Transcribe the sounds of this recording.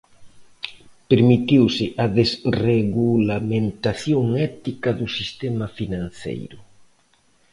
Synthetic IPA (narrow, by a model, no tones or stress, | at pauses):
peɾmit̪iwsɪʔɐðesreɣulamẽnt̪aθjoŋɛt̪ikɐðʊsist̪ɛmafinãnθḛjɾʊ